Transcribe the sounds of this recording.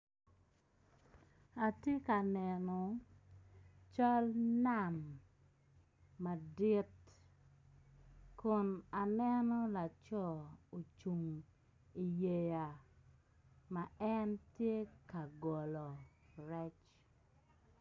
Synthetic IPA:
a˨te˦ka˨nɛ˨nɔ˨ | t͡ʃɔ˦lna˨m | a˨di˦t | kʊ˨na˨nɛ˦nɔ˦la˨t͡ʃɔ˦˨o˨t͡ʃu˨ŋ | i˨je˨ja˨ | ma˨ɛ˦ntje˦ka˨ɡɔ˨lɔ˨ɾɛ˦t͡ʃ

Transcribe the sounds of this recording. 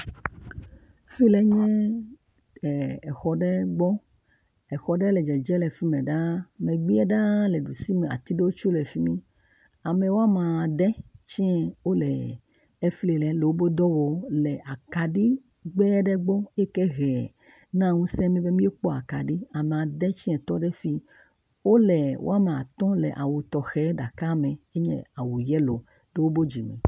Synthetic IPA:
fi˦lɛ˨˦ɲɛ̃˦˨ | ɛ˨xɔ˨ɖɛ˦ɡ͡bɔ˦ | ɛ˨xɔ˨ɖɛ˦lɛ˨d͡ʒɛ˨d͡ʒɛ˦lɛ˨fi˦mɛ̃˨ɖa˦mẽ˨ɡ͡bi˦ɛ˦ɖa˦lɛ˨ɖu˨si˦mɛ˨a̰˨t̪i˦ɖe˦wo˦t͡ʃo˦lɛ˨fi˦mĩ˦ | a˨mẽ˨wo˦a˦mã˨ɖɛ˦t͡ʃɛ̃˦wo˦lɛ˨ | ɛ˦fle˨lɛ˨le˨wo˦bo˦d̪ɔ˦wɔ˨˦lɛ˨ʔa˨ka˨ɖi˦ | ɡ͡bɛ˦ɖɛ˦ɡ͡bɔ˦e˦kɛ˦ɣɛ˨ | nã˦˨ŋũ˦sɛ̃˦mĩ˦be˦mĩ˦e˦k͡pɔ˦a˨ka˨ɖi˦a˨me˨a˨dɛ˦t͡ʃi˦ɛ̃˨t̪ɔ˦ɖɛ˦fi˦ | wo˦lɛ˨wʔo̰˦a˦mẽ˨a˨t̪ɔ̃˦lɛ̰˨ʔa̰˨wu˨t̪ɔ˨xɛ˨˦ɖa˨ka˦mɛ̃˨e˦ɲɛ̰̃˦a˨wu˨jɛ˦lo˨ | ɖe˦wo˦bo˦d͡ʒi˨mɛ̰̃˨

